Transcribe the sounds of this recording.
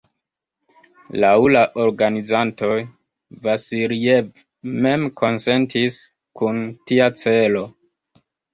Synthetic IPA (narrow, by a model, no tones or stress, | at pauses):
lawlaʔo̞ɾɡanizanto̞j | vasiɾiev | me̞mkʰo̞nse̞ntis | kuntiat͡se̞lo̞